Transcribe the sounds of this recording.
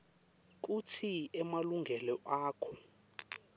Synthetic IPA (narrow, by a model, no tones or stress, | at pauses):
k̬utʰiɛmaluŋɡʱɛlɔʔaːkʰɔ